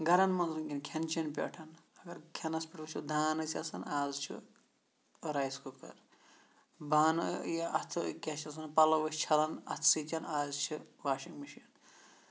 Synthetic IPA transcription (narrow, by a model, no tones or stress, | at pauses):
ɡɐɾɐnmɐnzuŋkʲinkʰʲɐnt͡ʃʰinpʲḛʈʰɐnɐɡɐɾkʰɐnɐspʲiʈʰʋɐt͡ʃʰud̪ʱaːnɨt͡sʰʲɐsɐnaːzt͡ʃʰḭ | ɾaːjskukɐ̰ɾ | baːnɨjʔɐt̪ʰɨkʲɐt͡ʃʰɐs̬ɐnpɐlɐʋɐsʲt͡ʃʰɐlɐnɐ̰t̪ʰsit̪ʲɐnaːzt͡ʃʰiʋaːʃiŋmiʃiɐn